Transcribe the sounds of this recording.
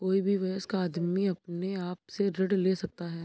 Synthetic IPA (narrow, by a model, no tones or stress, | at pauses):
koːibʱiʋɐəskaːd̪miɐpneaːp̚seɾɐɖleːsɐk̚t̪aɦɛː